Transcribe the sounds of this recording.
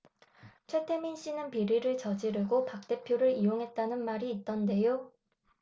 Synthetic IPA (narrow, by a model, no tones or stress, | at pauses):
t͡ɕʰwe̞tʰe̞minɕ͈inɯnpiɾiɾɯɭt͡ɕʌd͡ʑiɾɯɡopak̚t͈e̞pʰjoɾɯɾijoŋɦe̞t̚t͈anɯnmaɾiːt̚t͈ʌnde̞jo